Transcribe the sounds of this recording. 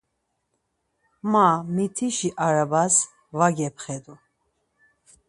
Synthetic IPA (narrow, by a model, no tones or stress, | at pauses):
mamit̪ʰiʃiʔaɾabas | vaɡɛpʰχɛd̪u